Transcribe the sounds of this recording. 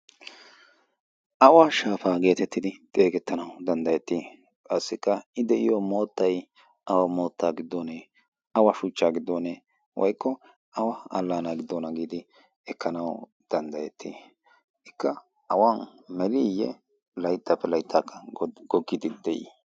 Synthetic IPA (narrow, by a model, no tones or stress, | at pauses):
ʔɐwaʃaːfaːɡe̞ːt̪ɛt̪ːɪd̪ɪt̪ʼe̞ːɡɛt̪ːɐnɐwd̪ɐnd̪ɐjɛt̪ːiː | kʼɐsːɪkːɐɪd̪ɛʔɪjomoːt̪ːɐj | ʔɐwɐmo̞ːt̪ʰːaːɡɪd̪ːoːne | ɐwaʃʊt͡ʃːaːɡɪd̪ːoːneː | wʔɔ̰jkʰːɔ | ɐwɐɐ̰lːaːnaɡɪd̪ːoːnɐɡiːd̪ɪ | ɛkːɐnɐw | d̪̥ɐnd̪ɐjɛt̪ʰːḭː | ɪkːɐ | ʔɐwanmɛlijɛ̰ | lɐjɪt̪ːapːɛlɐjɪt̪ʰːaːkʰːɐɡ̥ɔɡːɪd̪ɪd̪̥ɛʔḭ